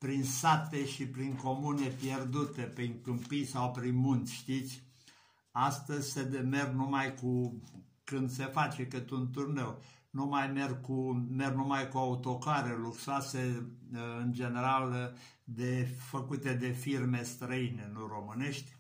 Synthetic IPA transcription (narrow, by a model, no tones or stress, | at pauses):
pɾinsat̪e̞ʃipɾiŋko̞munepjerd̪ut̪e̞pɾiŋkɨmpijsawpɾinmunt̪sʲʃt̪it̪sʲ | ast̪əzʲsed̪eme̞rnumajku | kɨnd̪se̞fat͡ʃekɨt̪unt̪urne̞wnumajmerkume̞rnumajkuaut̪o̞kaɾeluksoase | ɨnd͡ʒe̞ne̞ɾal | d̪efəkut̪e̞d̪e̞firme̞st̪ɾəine̞nuro̞mɨne̞ʃt̪ʲ